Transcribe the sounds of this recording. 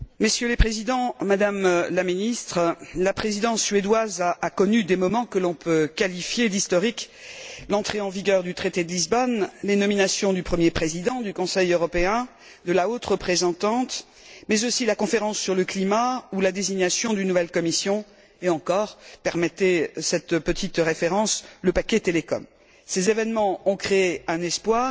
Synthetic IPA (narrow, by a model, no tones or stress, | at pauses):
məsjøləpχezid̪ɑ̃mad̪amlaminist̪χlapχezid̪ɑ̃sːɥed̪wazaːkɔnyd̪emɔmɑ̃kəlɔ̃pøkalifjed̪ist̪ɔʁik | lɑ̃t̪χeɑ̃viɡʲœʁd̪yt̪χet̪ed̪əlizbɔnlenɔminasjɔ̃d̪ypχəmjepχezid̪ɑ̃d̪ykɔ̃sɛjøʁɔpeɛ̃ | d̪əlaot̪ʁəpχezɑ̃t̪ɑ̃t̪ | mɛzosilakɔ̃feʁɑ̃sːyʁləklimaulad̪eziɲasjɔ̃d̪ynːuvɛlkɔmisjɔ̃ | eɑ̃kɔʁpɛʁmɛt̪esɛt̪pət̪ʰit̪ʁefeʁɑ̃sləpakʲɛt̪elekɔ̰m | sezevɛnmɑ̃ɔ̃kχeeɛ̃nɛspwaːʁ